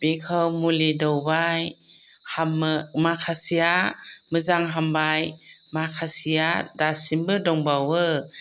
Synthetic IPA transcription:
b̥ekʰawmulidɔwbaj | hammakʰasijamɯzaŋɦambajmakʰasijadasimbɯdɔŋbawɯ

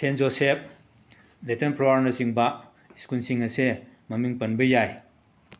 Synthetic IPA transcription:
senzosep̚ | letenpɾowaɾnɐsiŋbɐ | iskunsiŋɐse | mɐmiŋpɐnbɐjaj

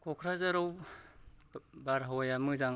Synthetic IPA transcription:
kʰɔkʰɾazaɾaw | baɾɦɔjamɯzaŋ

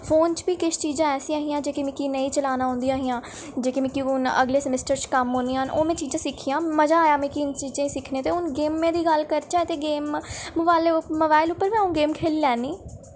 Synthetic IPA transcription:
pʰoːnt͡ʃbiːkɪt͡ʃt͡ʃiːd͡ʒãːɛːsĩːaːɦĩːãːd͡ʒeːkimɛ̃ːkiːnəĩːt͡ʃəlaːnaːɦʊ̃nd̪ijaːɦiːãː | d͡ʒeːkiːmɛ̃ːkiʊnə̰ɡleːsəmɪsʈəɾt͡ʃkəmɦoːnianoːmɛ̃ːt͡ʃiːd͡ʒãːsɪkʰiːãːməd͡ʒaːjaːmɛ̃ːkint͡ʃiːd͡ʒãːĩːsɪkʰneːt̪eːʊnɡeːmːẽːd̪iːɡəlkəɾt͡ʃaːt̪eːɡeːmːʊbaːlemoːbaːɪlʊpːəɾʋɛ̃ːũːɡeːmkʰeːliːlɛːnːiː

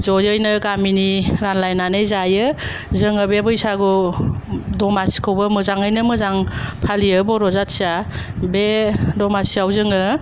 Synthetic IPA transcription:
zɔjɯjnɯɡaminiɾanlajnanɯjzajɯ | zɯŋɯbebɯjsaɡɔ | dɔmasi̥kʰɯwbɯmɯzaŋɯjnɯmɯzaŋpʰalijɯbɔɾɔzatsiabedɔmasiawzɯŋɯ

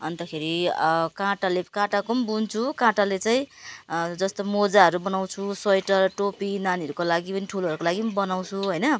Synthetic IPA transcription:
ʌnt̪ʌkʰeɾikãʈalekãʈakombunt͡sʰukãʈalet͡saĩ | d͡zʌst̪omod͡zaɦʌɾubʌnaw̃t͡sʰusʌjʈʌrʈopinaniʌɾukolaɡipʌniʈʰuloʌɾukolaɡibʌnaw̃t͡sʰuɦʌjnʌ

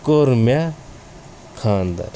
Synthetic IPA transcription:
koɾma | kʰaːnd̪ɐ̰ɾ

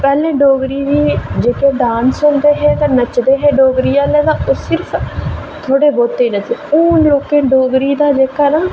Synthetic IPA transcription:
pɛːlẽːɖoːɡɾiːd̪iːd͡ʒeːkeːɖãːnsoːnd̪eːɦeːt̪ãːnət͡ʃd̪eːɦeːɖoːɡɾiːaːleːd̪aːʔosɪɾpʰ | t̪ʰoːɽeːboːt̪ːeːnət̪iːuːnloːkeːɖoːɡɾiːd̪aːd͡ʒeːkaːnaː

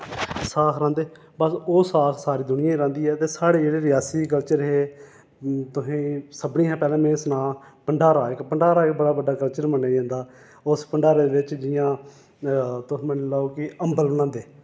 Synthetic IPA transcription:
saːkɾãːnd̪eː | bəsoːsaːkʰsaːɾiːd̪ʊnɪjãːɾãːnd̪iːɛːt̪eːsaːɽeːd͡ʒeːɽeːɾɪjaːsiːk̬əlt͡ʃəɾɦeː | t̪ʊsĩːsəbɳiːãːpɛːlɛ̃ːmẽːsnãːpəɳɖaːɾaːɪkpəɳɖaːɾaːɪkbəɽaːbəɖaːkəlt͡ʃəɾmənːeːd͡ʒãːnd̪aː | ʊspəɳɖaːɾeːd̪eːɪt͡ʃd͡ʒɪjãː | t̪ʊ̃mənːlaoːkɪəmbəlbənãːnd̪eː

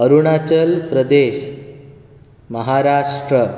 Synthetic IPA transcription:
əɾuɳat͡ɕəlpɾəd̪eɕ | məɦaɾaʂʈɾə

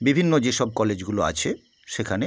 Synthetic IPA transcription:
bibʱinːod͡ʑeʃɔb̚kɔled͡ʑɡuloa̰t͡ɕʰe | ʃekʰane

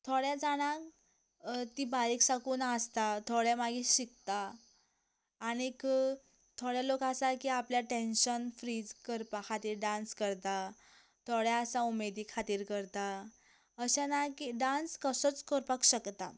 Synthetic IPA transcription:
t̪ʰoɽjad͡zaɽ̃ak | t̪ibaɾiksakuːnast̪at̪ʰoɽjamaɡiɕikt̪a | ɽ̃ikə | t̪ʰoɽjalokasakiapljaʈenɕənfɾid͡zkəɾpakʰat̪iːɾɖãnskəɾt̪a | t̪ʰoɽjaəsaumed̪iːkʰat̪iːɾkəɾt̪a | əɕanakiɖãnskəsət͡skəɾpakɕəkt̪a̰

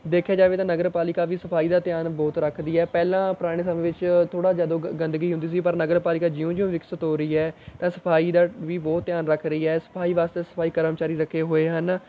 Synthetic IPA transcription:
d̪eːkʰjaːd͡ʒaːʋeːt̪ãːnəɡəɾpaːlɪkaːʋiːsəpʰaːiːd̪aːt̪jaːnbɔːt̪ɾəkʰd̪iːɛːpɛːlãːpɾaːɽ̃eːsəmẽːʋɪt͡ʃt̪ʰoːɽaːd͡ʒjaːd̪õːɡə̃nd̪əɡiːɦʊ̃nd̪iːs̬iːpəɾnəɡəɾpaːlɪkaːd͡ʒɪõːd͡ʒɪũːʋɪksət̪ɦoːɾəiːɛːt̪ãːsəpʰaːiːd̪aːʋiːbɔːt̪ːjaːnɾəkʰɾəiːɛːsə̥pʰaːiːʋaːst̪eːsə̥pʰaːiːkəɾəmt͡ʃaːɾiːɾəkʰːeːɦoːeːɦən

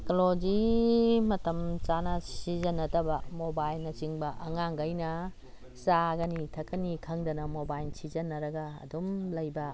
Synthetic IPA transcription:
kolod͡ʒimɐtɐmt͡ʃanɐsizɐnːɐtɐbɐmobajlnɐt͡ʃiŋbɐʔɐŋaŋɡɐjnɐ | saɡɐnitʰɐkːɐnikʰɐŋdɐnɐmobajlsizɐnːɐɾɐɡɐ̰ːdumlɐjbɐ

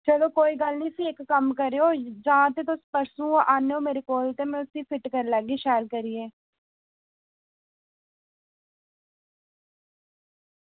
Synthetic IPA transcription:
t͡ʃəloːkoːiːɡəlniːsiːɪkːəmkəɾeːoːd͡ʒãːt̪eːt̪ospəɾsũːʔaːneːoːmeːɾekoːlt̪eːmɛ̃ːʊsiːpʰɪʈkəɾləːɡiːʃaːlkəɾiːeː

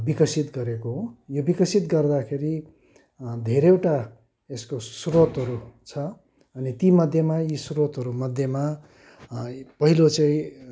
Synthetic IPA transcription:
bikʌsit̪ɡʌɾekoɦojobikʌsit̪ɡʌrd̪akʰeɾi | d̪ʱeɾewʈa | eskosurot̪ɦʌɾut͡sʰʌ | ʌnit̪imʌd̪ʱjemaisurot̪ɦʌɾumʌd̪ʱjʌma | pʌɦilot͡sʌĩ

